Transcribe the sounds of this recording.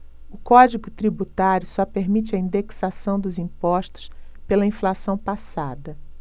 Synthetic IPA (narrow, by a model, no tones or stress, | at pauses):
ʊkɔd͡ʒiɡʊt̪ɾibut̪aɾjʊsɔpeɾmit͡ʃɪɐĩnd̪eksasɐ̃w̃d̪ʊzĩpɔʃt̪ʊ̥spelɐĩflasɐ̃w̃pasa̰d̪ɐ